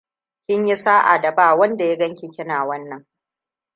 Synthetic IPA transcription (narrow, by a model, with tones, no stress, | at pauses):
kʲɪ˦ɲji˦saː˦ʔa̰˨da˨baː˦˨wɐ˦nda˨ja˦ɡɐ˦ŋkʲi˨kʲɪ˦naː˨wɐ˦nːɐ˨ŋ